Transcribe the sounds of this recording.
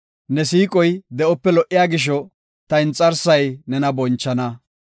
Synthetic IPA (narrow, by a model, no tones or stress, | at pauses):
nɛs̬iːkʼɔjd̪ɛʔɔpːɛlɔʔːɪjaːɡɪʃ̬ɔ | t̪ɐɪnt͡sʼːɐɾsɐjnɛnɐbɔnt͡ʃːɐnɐ